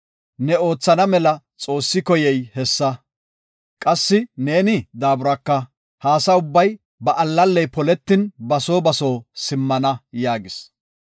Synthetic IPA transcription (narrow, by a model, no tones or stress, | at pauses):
nɛo̞ːt͡sːɐnɐmɛlɐ | t͡sʼo̞ːsːɪkɔjɛjhɛsːɐ | kʼɐsːɪne̞ːnɪd̪aːbʊɾɐkːɐ | haːsɐʊbːɐj | bɐʔɐlːɐlːɛjpɔlɛt̪ːɪnbɐso̞ːbɐso̞ːsɪmːɐnɐjaːɡɪs